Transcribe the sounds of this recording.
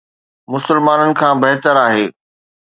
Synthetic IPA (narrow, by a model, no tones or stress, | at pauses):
mʊsɪlmaːnənɪ̆kʰãːbɐɦt̪əɾaːɦeː